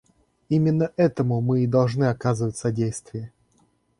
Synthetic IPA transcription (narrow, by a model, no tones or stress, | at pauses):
imʲɪnːəʔɛt̪əmʊmɨɪd̪ɐlˠʐnɨɐkazɨvətʲsɐdʲejst̪vʲɪjə